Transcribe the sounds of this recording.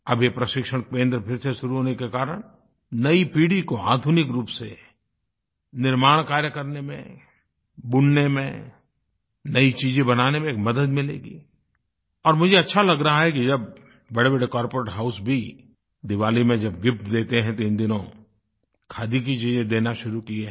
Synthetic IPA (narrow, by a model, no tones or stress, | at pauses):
ɐbʱepɾɐʃɪkʃəɽ̃pẽːnd̪ɾəpʰɪɾseʃʊɾuɦoːnekekaːɾəɽ̃ | nɐipiːɽikoa̰ːd̪ʱʊnɪkɾuːpse | nɪɾmaːɽ̃kaːɾjəkɐɾnemḛ̃ | bʊɳnemḛ̃ | nɐit͡ʃiːd͡ʒẽbɐnaːnemẽkmɐd̪əd̪mɪlḛːɡḭː | ɔːɾmʊd͡ʒʱeɐtːʃʰalɐɡɾaɦaɦɛkid͡ʒɐb | bɐɽebeɽekɔːɾpoɾeʈɦaʊsbʱi | d̪ɪʋaːlimẽd͡ʒɐbɡɪp̚t̪d̪eːt̪eɦɛ̃t̪oɪ̃nd̪ɪnõ | kʰaːd̪ik̬it͡ʃiːd͡ʒẽd̪eːnaʃʊɾukieɦ